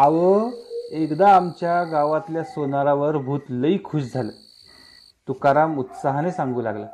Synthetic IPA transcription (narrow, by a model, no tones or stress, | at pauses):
aʋəekd̪aːmt͡ɕjaɡaʋãt̪ljasonaɾaʋəɾbʱuːt̪ləikʰuːɕd͡zʱalə | t̪ukaɾamut̪saɦnesãŋɡuːla̰ɡla